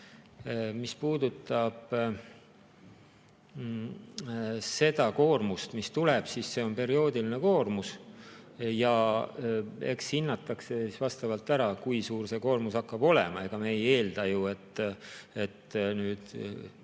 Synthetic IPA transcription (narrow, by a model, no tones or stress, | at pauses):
mispuːd̪ut̪ːˑɑb̥ | se̞d̪̥ɑko̞ːrmust̪mist̪uleb̥sisse̞o̞npe̞ɾio̞ːd̪iline̞ko̞ːrmus | jɑ | e̞̰kshinːɑt̪ːˑɑkse̞sisvɑst̪ɑvɑlt̪ːˑæɾɑkujsuːrse̞ko̞ːrmusɑkːɑb̥o̞le̞̰mɑe̞ɡ̥ɑmeje̞ːld̪̥ɑjue̞t̪ːe̞t̪ːnyːd̪̥